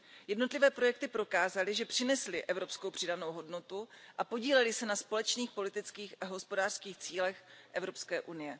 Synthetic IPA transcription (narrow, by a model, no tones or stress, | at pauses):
jɛdno̞t̪lɪvɛːpɾo̞jɛk̚t̪ɪpɾokaːzalɪʒɛpr̥ɪnɛslɪʔɛvɾo̞psko̞wpr̥ɪdano̞wɦo̞dno̞t̪uʔapo̞ɟiːlɛlɪsɛnaspo̞lɛt͡ʃniːxpo̞lɪt̪ɪt͡skiːxaɦo̞spo̞daːr̥skiːxt͡siːlɛxʔɛvɾo̞pskɛːʔunɪjɛ